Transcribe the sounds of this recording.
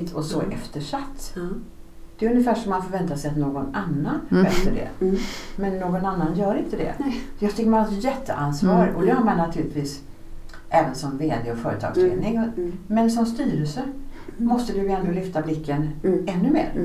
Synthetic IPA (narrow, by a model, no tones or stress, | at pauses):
t̪ʰɔsɔʔɛft̪əʂat̪ː | d̪̥ɛɵnːɪfæːʂɔmːanfoːɾvɛnt̪asɛjat̪noːɡɔnanːanbɛːt̪əɖɛ̰mɛnːoːɡɔnanːanjœːɾɪnt̪əd̪ɛ̰jat̪ɪkːmajɛt̪ʰːə̰ʔansvɑːɾɔd̪ɛhaɾmanːat̪ʰʉ̟ːlɪt̪viːs | ʔɛːvənsɔmveːd̪ɪɔfœːɾət̪ʰɑ̰ːɡslḛːd̪nɪŋmɛnsɔmst̪yːɾəlsəmɔst̪əd̪ɵjɛnd̪olʏft̪ablɪkʰːənɛnːɵmḛːɾ